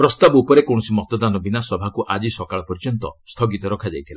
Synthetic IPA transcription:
pɾɔst̪abɔupɔɾekɔ̃ɔsimɔt̪ɔd̪anɔbinasɔbʱakuʔad͡ʒisɔkaɭɔpɔɾd͡ʒɔnt̪ɔ̰st̪ʰɔɡit̪ɔɾɔkʰad͡ʒajt̪ʰila

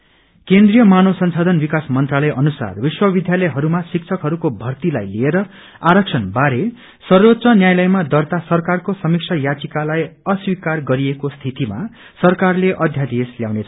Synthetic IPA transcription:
kend̪rijʌmanosʌnsad̪ʱʌnbikasmʌnt̪ralʌjʔʌnusa̰rbiswʌbid̪ʱjalʌjɦʌɾumasik̚t͡sʰʌkɦʌɾukobʱʌrt̪ilajlieɾʌ | aɾʌk̚t͡sʰʌnbaɾe | sʌrbʌt̪ːsʌnjajlʌjmad̪ʌrt̪asʌrkarkosʌmik̚sʰʌjat͡sikalajʌswikarɡʌɾiekost̪ʰit̪ima̰ | sʌrkarleʔʌd̪ʱjad̪isljawnet͡sʰʌ

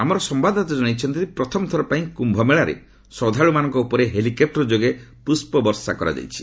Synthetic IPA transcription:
amɔɾɔsɔmbad̪at̪ɔd͡ʒɔnajt͡ʃʰɔnt̪ipɾɔt̪ʰɔmɔt̪ʰɔɾɔpaĩkumbʱɔmeɭaɾḛ | sɔd̪ʱaɭumanɔŋkɔupɔɾeɦelikep̚ʈɾɔd͡ʒoɡepɾuspɔbɔɾsakɔɾa̰d͡ʒa̰jt͡ʃʰi̥

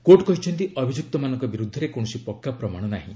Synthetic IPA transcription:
koʈkɔɦit͡ʃʰɔnt̪̬iʔɔbʱid͡ʒuk̚t̪ɔmanɔ̃ŋkɔbiɾud̪ʱːɔɾekõɔsipɔkːapɾɔmaɽ̃ɔnaɦḭ̃

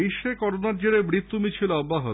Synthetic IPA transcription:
iʃːekɔɾonaɾd͡ʑeɾebɾit̪ːumit͡ɕʰiloɔbːaɦo

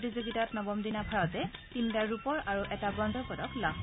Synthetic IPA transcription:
tizuɡitatnɔbɔmdinabʱaɹɔtɛtintaɹupɔɹʔaɹuʔɛtabɹɔndʱɔɹpɔdɔkla

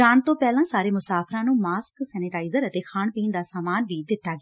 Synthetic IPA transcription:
aːnt̪õːpɛːlãːsaːɾeːmʊsaːpʰɾãːnũːmaːsksɛːnɪʈaːɪzəɾət̪eːkʰaːɳpiːnd̪aːsaːmaːnʋiːd̪ɪt̪ːaːɡː

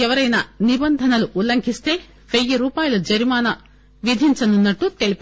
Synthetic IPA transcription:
ɛʋɐɾɐjnɐnibɐnd̪ʱɐnɐluʔːlɐŋkʰist̪e̞ː | ʋejiɾuːpaːjɐlud͡ʒɐɾimaːnɐ | ʋid̪ʱiɲt͡ʃɐnunːɐʈːut̪elip

